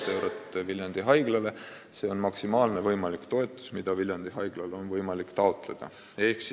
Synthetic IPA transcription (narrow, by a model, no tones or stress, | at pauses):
t̪ːewɾot̪ːˑeviljɑnd̪̥iɦɑjɡ̥lɑle̞ | se̞o̞nmɑksimɑːlnevɤjmɑlikt̪o̞e̞t̪ˑːu̥smid̪̥ɑviljɑnd̪̥iɦɑjɡ̥lɑlonvɤjmɑlikt̪ɑo̞t̪ˑle̞d̪̥ɑ̰ | e̞hksi